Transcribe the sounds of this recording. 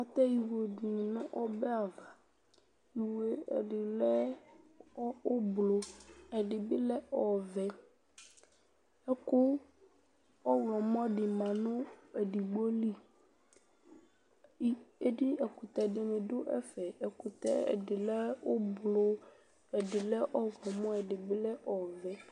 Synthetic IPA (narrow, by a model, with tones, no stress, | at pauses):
a˦t̪ɛ˦ji˨wo˨du˨n˨nʊ̃˦ʔɔ˦bɛ˦a˨va˨ | ji˨we˨ɛ̰˨ɖɪ˨lɛ˦ | ɔ˦o˦blo˦ɛ˨ɖɪ˨bɪ˦lɛ˦ʔɔ˦vɛ˦ | ɛ˦kʊ˦ | ɔ˦wlɔ˨mɔ̃˦ɖɪ˨mã˨nʊ̃˦e˨ɖi˨ɡ͡bo˦li˦˨˦ | e˦di˦ɛ˨ku˨t̪ɛ˨ɖɪ˨mɪ̃˨ɖʊ˦ʔɛ̰˦fɛ˨ɛ˨ku˨t̪ɛ̰˦ɛ̰˨ɖɪ˨lɛ˦o˦blo˦ | ɛ˨ɖɪ˨lɛ˦ʔɔ˦wɔ˨mɔ̃˦ɛ˨ɖɪ˨bɪ˦lɛ˦ʔɔ˨vɛ˨˦